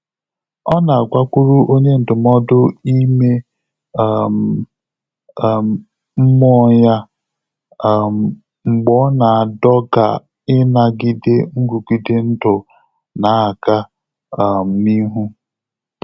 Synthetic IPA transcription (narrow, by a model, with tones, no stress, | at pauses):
ɔ˦na˨a˨ɡʷa˦kʷu˦ɾu˦ʔo˦ɲe˦n̩˨dʊ˨mɔ˦dʊ˦i˦me˦˨ | m̩˨ | m̩˦mɔ˦ɲa˦˨ | ŋ͡m̩˨ɡ͡bɔ˦na˨a˨dɔ˦ɡa̰˨ | ɪ˦na˦ɡɪ˦de˦ŋ̩˦ɡu˨ɡi˦de˦n̩˦dʊ˨ | na˨˦a˨ka˦˨ | m̩˨mi˦ɦu˦